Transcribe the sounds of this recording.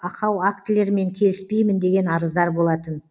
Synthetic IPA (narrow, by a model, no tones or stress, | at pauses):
ɑqɑwak̚t̪ɪle̞ɾme̞ŋkʲʰe̞lɪspe̞jmɪnd̪e̞ɡʲe̞nɑɾəzd̪ɑɾbo̞lˠɑt̪ən